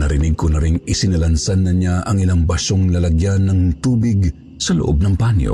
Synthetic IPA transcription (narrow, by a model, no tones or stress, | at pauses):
nɐɾɪnɪɡ̚konɐɾiŋɪsɪnɐlɐnsanːɐɲaʔɐŋɪlaŋbɐʃoŋlɐlɐɡjanːɐŋt̪uːbɪɡ | sɐlo̰ʔo̰b̚nɐŋpanjo̰